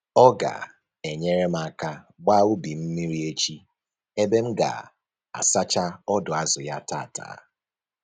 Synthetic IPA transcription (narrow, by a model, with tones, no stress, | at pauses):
ɔ˦ɡa̰˨ | e˨ɲe˦ɾe˦m̩˦a˦ka˦ | ɡ͡ba˦u˦bi˨m̩˦mi˦ɾi˦e˦t͡ʃi˦ | e˦be˦m̩˦ɡa̰˨ | a̰˨sa˦t͡ʃa˦ɔ˦dʊ˨a˦zʊ˨ja˦ta̰˦˨ta̰ː˨˦